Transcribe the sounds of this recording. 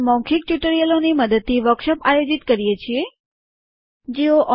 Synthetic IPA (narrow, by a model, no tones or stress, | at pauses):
mɔ̃ŋkʰik̚ʈjuʈəɾijəloniməd̪əd̪̚t̪ːiʋəɾkʃəpajod͡ʒit̪kəɾijet͡ʃʰie | d͡ʒeoʔɔ